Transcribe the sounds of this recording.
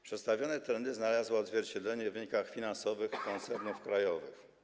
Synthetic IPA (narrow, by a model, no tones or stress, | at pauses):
pʂɛt̪st̪avʲjɔnɛt̪ɾɛnd̪ɘznalazwɔːd̪zvʲjɛɾt͡ɕɛd̪lɛɲɛvɘɲikaxfʲinansɔvɘxkɔnt̪sɛɾnufkɾajɔvɘx